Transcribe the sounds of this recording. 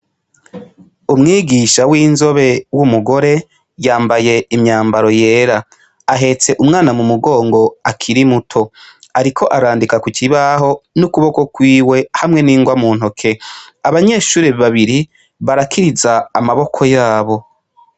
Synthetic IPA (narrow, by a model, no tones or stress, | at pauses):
umŋiːɡiʃawiːnzo̞βe̞wumuɡo̞ɾe̞ | jaːmbaje̞imɲaːmbaɾo̞je̞ːɾaː | ɦe̞t͡se̞ʔumŋaːnamumuɡo̞ːŋɡo̞akʰiɾimutʰo̞aɾikʰo̞ʔaɾaːndikakuciβaɦo̞nukuβo̞ko̞kwiːwe̞hamŋe̞niːŋɡwamuːn̥ɦokʰe̞ | aβaɲe̞ːʃuːɾeβaβiɾi | βaɾakʰiɾizaːmaβo̞kʰo̞jaːβo̞